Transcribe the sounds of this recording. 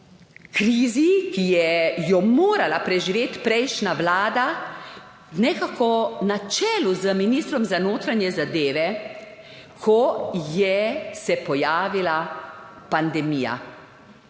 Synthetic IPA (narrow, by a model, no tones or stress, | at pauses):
kɾiːzikijɛjɔmoːɾalapɾɛʒiʋeːt̪pɾɛjʃnaʋlaːd̪a | wnɛkakɔnat͡ʃɛːluzəminiːst̪ɾɔmzanoːt̪ɾanjɛzad̪eːʋɛ | kʰɔjɛsɛpɔjaːʋila | pand̪ɛmiːja̰